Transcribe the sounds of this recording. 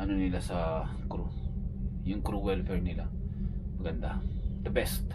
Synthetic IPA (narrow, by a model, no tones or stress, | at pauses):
ʔɐnonɪlasɐkɾu | jʊŋkɾuwɛlfɛɹnɪlamɐɡɐnd̪ad̪̥ɐbɛst̪̚